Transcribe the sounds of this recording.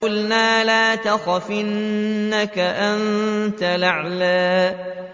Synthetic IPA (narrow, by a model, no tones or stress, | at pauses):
ʊlnaːlaːt̪axafɪnːakaʔant̪alaʕlaː